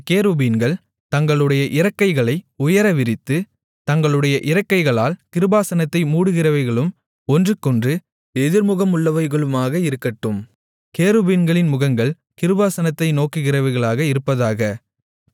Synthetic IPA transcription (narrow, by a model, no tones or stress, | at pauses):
keːɾubiːnɡɐɭ | t̪ɐŋɡɐɭɯɽɐjɐʔɪɾɐkːɐɪɣɐɭɐɪʊjɐɾɐʋɪɾɪt̪ːɯ | t̪ɐŋɡɐɭɯɽɐjɐʔɪɾɐkːɐɪɣɐɭaːlkɪɾɯbaːsɐnɐt̪ːɐɪmuːɽɯɣɪrɐʋɐɪɣɐɭɯm | ɔndrɯkːɔndrɯ | ɛðɪɾmʊɣɐmʊɭːɐʋɐɪɣɐɭɯmaːɣɐɪɾɯkːɐʈːɯm | keːɾubiːnɡɐɭɪnmʊɣɐŋɡɐɭ | kɪɾɯbaːsɐnɐt̪ːɐɪnoːkːɯɣɪrɐʋɐɪɣɐɭaːɣɐɪɾɯpːɐðaːɣɐ